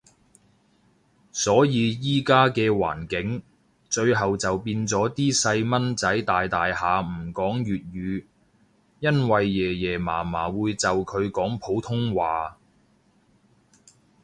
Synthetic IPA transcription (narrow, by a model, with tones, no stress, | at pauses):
sɔː˨˥jiː˨˧jiː˥kaː˥kɛː˧wa̰ː˨˩nkɪ˨˥ŋ | t͡ʃɵ˧ɥɦɐ˨wt͡sɐ˨wpiː˧nt͡sɔː˨˥t̪iː˥sɐ˧jmɐ˥nt͡sɐ˨˥jt̪aː˨jt̪aː˨jhaː˨m̩˨˩kɔː˨˥ŋjyː˨t̚ɥyː˨˧ | jɐ˥nwɐ˨jːɛː˨˩jɛː˨˩ma̰ː˨˩maː˨˩wuː˨˧jt͡sɐ˨wkʰɵ˨˧ɥkɔː˨˥ŋpʰo˨˥wt̪ʰʊ˥ŋwaː˨